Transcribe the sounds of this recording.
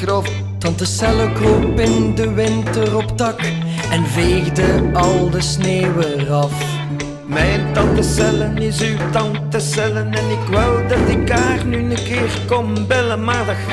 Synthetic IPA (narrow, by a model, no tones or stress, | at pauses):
o | tɑntəsɛləklopɪndəʋɪntərɔpdɑk | ɛnveːɣdəɑlˠdəsneːwərɑf | mɛjntɑntəsɛlənɪsywtɑntəsɛlənɛnɪkʋɛlˠdɑtɪkaːrnynəkɪːrkɔm | bɪləmaːrd